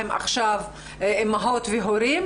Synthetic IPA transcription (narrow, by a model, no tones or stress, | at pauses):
ema̰χʃav | maɦot̪veɦoɾim